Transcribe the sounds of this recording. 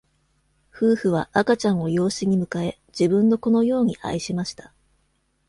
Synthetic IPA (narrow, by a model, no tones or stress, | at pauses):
ɸɯ̟ːɸɯ̟β̞aʔakat͡ɕãɰ̃o̞jo̞ːɕiɲ̟imɯ̟kae̞ | d͡ʑibɯ̟̃nːo̞ko̞no̞jo̞ːɲ̟iʔa̰iɕimaɕi̥t̪ḁ